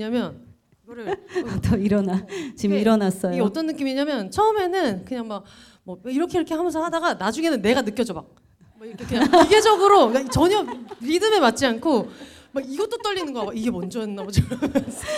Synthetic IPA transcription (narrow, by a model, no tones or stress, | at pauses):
ɲamjʌn | ɡʌɾɯtʌiɾʌnat͡ɕimiɾʌnas͈ʌjioɡeʌt͈ʌnːɯk͈imieɲamjʌnt͡ɕʰʌɯme̞nɯnkɯɲaŋmak̚ | mʌiɾʌkʰeiɾʌkʰehamɯnsʰaɦadaɡanad͡ʑuŋe̞nɯnːe̞ɡanɯk͈jʌd͡ʑomak̚ | aiɾʌkʰekɯɲaiɡe̞d͡ʑʌɡɯɾokat͡ɕʌɲʌɾidɯme̞mat̚t͡ɕ͈iankʰo | maɡiɡʌt͈ot͈ʌʎːinɯnɡʌaaiɡe̞mʌnd͡ʑʌʌnnːabot͡ɕa